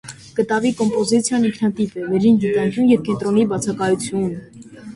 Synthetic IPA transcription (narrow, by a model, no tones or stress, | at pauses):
kət̪ɑvikɔmpɔzit͡sʰjɑniŋkʰnɑt̪ipɛvɛɾinɡit̪ɑŋkʰjunjɛvkɛnt̪ɾɔnibɑt͡sʰɑkɑjut͡sʰjun